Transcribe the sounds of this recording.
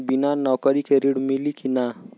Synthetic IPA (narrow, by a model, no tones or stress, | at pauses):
binanɔkəɾikeɾiɽmilikina